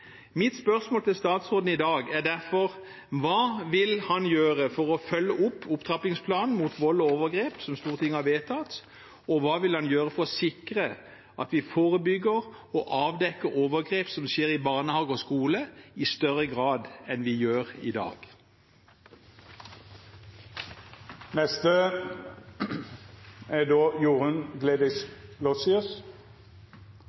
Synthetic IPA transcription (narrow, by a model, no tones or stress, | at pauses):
mɪt̪spœʁsmoːlt̪ʰɪlst̪ɑːt̪sʁoːd̪n̩ɪd̪ɑːɡæʁɖ̪æʁfɔʁ | ʋɑːʋɪlhɑnjøːʁəfɔʁɔfœlːəʔʊpʰːʊpt̪ʰʁɑpɪŋspʰlɑːnn̩mut̪ʋɔlːɔoːʋəʁɡʁeːpsɔmst̪uːʁət̪ʰɪŋːəhɑʋeːt̪ʰɑt̪ | ɔʋɑːʋɪlhɑnjøːʁəfɔʁɔsɪkʁə | ʔɑt̪ʋɪfoːʁəbʏɡːəʁɔʔɑːʋd̪ɛkːəʁoːʋəɡʁeːpsɔmsʃeːʁɪbɑːʁnəhɑːɡɔskuːləɪst̪œʁəɡʁɑːd̪ɛnʋɪjøːʁɪ̰d̪ɑ̰ːɡ̥ | nɛst̪ə | ɛd̪oːjuːʁənɡleːd̪ɪslɔsɪʉs